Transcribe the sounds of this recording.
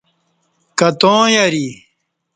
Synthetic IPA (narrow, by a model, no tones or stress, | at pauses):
kɐt̪õːjɐɾi